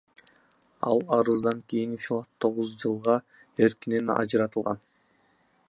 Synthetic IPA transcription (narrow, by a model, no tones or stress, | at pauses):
ɑ̰lˠɑɾɯzd̪ɑŋkijinfʲilˠat̪ʰːo̞ʁuzd͡ʒɯlˠʁɑ | e̞ɾkinenɑ̰d͡ʒɾɑt̪ɯlˠʁɑ̰n